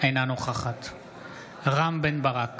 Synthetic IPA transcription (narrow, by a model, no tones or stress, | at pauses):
ejnanuχaχat̪ | ʁambenbaʁak